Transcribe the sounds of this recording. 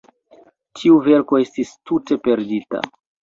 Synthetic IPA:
tiuve̞ɾko̞e̞stistute̞pe̞ɾdita̰

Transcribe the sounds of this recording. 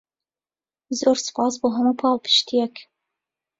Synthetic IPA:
zoːɾsɨ̥pʰɑːsboːɦɐmuːpʰɑːlpʰɨ̥ʃt̪ʰijɛk

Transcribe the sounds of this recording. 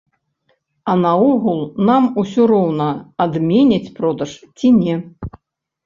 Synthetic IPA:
ɐnɐɔɣulˠnamusʲɔɾɔwnɐad̪mʲenʲɐt͡sʲpɾɔd̪ɐʂt͡sʲinʲɛ

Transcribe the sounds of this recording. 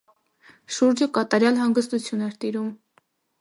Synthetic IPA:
ʃuɾd͡ʒəkɑt̪ɑɾjɑlɦɑŋɡəst̪ut͡sʰjunɛɾt̪iɾum

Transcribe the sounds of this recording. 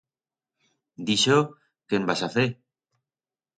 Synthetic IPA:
d̪iʃo | kembasaθe

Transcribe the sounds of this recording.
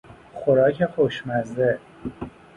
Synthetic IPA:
xoɾɒːcʰexoʃmæzd̪e

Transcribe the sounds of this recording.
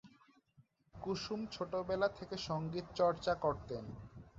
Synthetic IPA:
kuʃumt͡ɕʰoʈobɛlat̪ʰekeʃɔŋɡit̪̚t͡ɕɔɾt͡ɕakoɾt̪en

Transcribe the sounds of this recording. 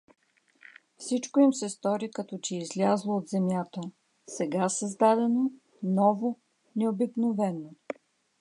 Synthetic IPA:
fsit͡ʃkoimsɛst̪ɔɾikɐt̪ɔt͡ʃɛizlʲazlˠoːt̪zɛmjat̪ə | sɛɡasɐzd̪ad̪ɛno | nɔvo | nɛobiknovɛno

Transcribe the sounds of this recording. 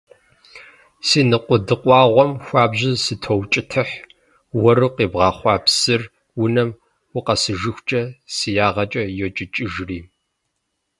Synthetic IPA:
siːnɨqʷʊdɨqʷʼɑːʁʷɔmxʷɑːbʑɪsɨtʰowt͡ʃʼɪtʰɨħ | wɐɾɨqeːbʁɑːχʷɑːpsɨr | wʊnɐm | wʊqɐsɨʒɨxʷt͡ʃʼɐsɨjaːʁɐt͡ʃʼɐjɛt͡ʃʼɪt͡ʃʼɪʒriː

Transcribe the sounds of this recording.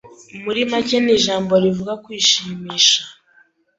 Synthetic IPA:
umuɾimaceniʒaːmbo̞ɾivuɡakwiːʃiːmiːʃa

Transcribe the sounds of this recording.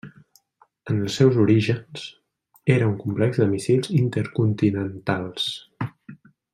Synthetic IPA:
ənəlˠsːɛwzuɾiʒənz̥ | eɾəuŋkumplɛɡzd̪əmisilˠzint̪əɾkunt̪inənt̪alˠs

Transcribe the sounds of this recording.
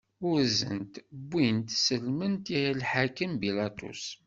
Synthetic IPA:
ʊɾzə̰nt̪bːint̪səlmənt̪iilħakəmbilɑt̪ṵs

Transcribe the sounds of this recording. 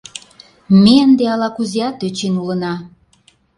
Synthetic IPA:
meənd̪eɑlɑkuziɑt̪øt͡ɕinulənɑ

